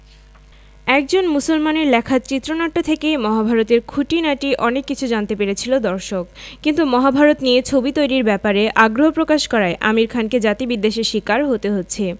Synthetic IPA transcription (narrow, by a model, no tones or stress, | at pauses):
ɛk̚d͡ʑonmusolmaneɾlɛkʰaɾt͡ɕit̪ːɾonaʈːot̪ʰekejmɔɦabʱaɾot̪eɾkʰuʈinaʈiʔɔnekːit͡ɕʰud͡ʑant̪epeɾet͡ɕʰilod̪ɔɾʃok̚kint̪umɔɦabʱaɾot̪niet͡ɕʰobit̪ojɾiɾbɛpaɾeʔaɡɾoɦopɾokaʃkɔɾaeʔa̰miɾkʰanked͡ʑat̪ibid̪ːeʃeʃikaɾɦot̪eɦotːɕʰe